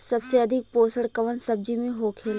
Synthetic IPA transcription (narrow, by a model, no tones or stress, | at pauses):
səbseəd̪ʱɪk̚poːsəɽkəʋənsəb̚d͡ʒimẽɦoːkʰeːl